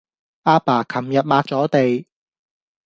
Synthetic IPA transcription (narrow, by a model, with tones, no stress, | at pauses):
aː˥paː˨˩kʰɐ˨˩mjɐ˨t̚maː˧t̚t͡sɔː˨˥t̪e˨j